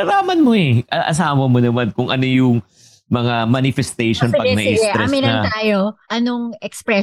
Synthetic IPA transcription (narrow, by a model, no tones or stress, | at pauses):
nɐlaːmɐnmoɛʔɐʔɐ̰s̬aːwɐmonɐmankʊŋʔɐno̞jʊŋ | mɐŋamanɪfɛst̪ejʃonpɐɡnɐʔɪst̪ɾɛsmɪnnɐt̪aːjoʔɐnoŋʔɛkspɾɛ